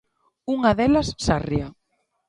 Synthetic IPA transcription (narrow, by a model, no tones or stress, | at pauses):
uŋaðelɐsːaria